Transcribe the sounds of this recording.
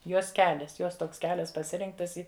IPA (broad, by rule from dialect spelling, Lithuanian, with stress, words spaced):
ˈjoːs ˈkʲæːlʲɛs ˈjoːs tˈoːks ˈkʲæːlʲɛs pɐˈsʲɪrʲɪŋktɐs ˈɪ